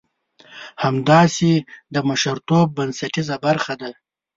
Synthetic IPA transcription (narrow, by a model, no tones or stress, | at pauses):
hamd̪ɑːsed̪əmaʃaɾt̪obːənsaʈizabaɾxad̪a